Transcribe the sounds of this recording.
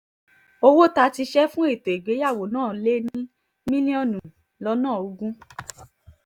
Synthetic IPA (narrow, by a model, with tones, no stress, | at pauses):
o˧wo˦ta˧ti˧ʃɛ˦fũ˦e˦˨to˨e˨ɡe˨˦ja˦˨wo˨nãː˦˨le˦nĩ˦ | mĩ˦lĩ˦ɔ̃˦˨nũ˨ | lɔ˦nãː˦˨o˧ɡũ˦